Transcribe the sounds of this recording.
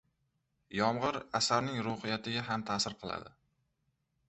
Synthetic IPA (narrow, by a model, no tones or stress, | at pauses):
jɒmʁɨɾasaɾnɪŋɾʊhɪjat̪ʰɪɡʲaɦamt̪ʰasɪɾqʰɨlˠa̰d̪ɪ